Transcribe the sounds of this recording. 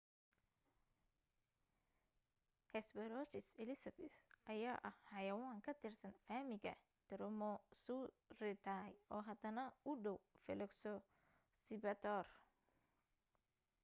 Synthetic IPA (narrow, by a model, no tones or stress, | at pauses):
hɛsbɛɾɔt͡ʃɪsɛlɪsɐbɛθʔɐjaːʔɐhhɐjɐwaːŋkʰɐt̪ʰɪrsɐnfaːmɪɣɐ̰ | t̪ɛɾɔmɔsu | rɪt̪ʰajɔːɦɐd̪ɐnɐʊɖɔwfɛlɛksɔ | sɪbɐt̪ʰɔr